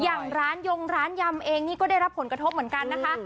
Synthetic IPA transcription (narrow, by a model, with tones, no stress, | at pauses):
jaː˨˩ŋɾaː˦˥njo˧ŋɾaː˦˥nja˧mʔeː˧ŋniː˥˩kɔː˥˩daː˥˩jɾa˦˥pʰːo˩˦nkɾa˧t̪ʰo˦˥p̚mɯ˩˦ənka˧nːa˦˥kʰa˦˥ʔ